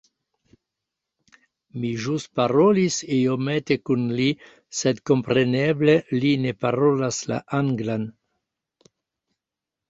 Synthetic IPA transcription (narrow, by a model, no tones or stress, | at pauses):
miʒust̪̚paɾolisiomet̪ekunli | sed̪kompɾeneblelinepaɾolasla̰ʔaŋɡlan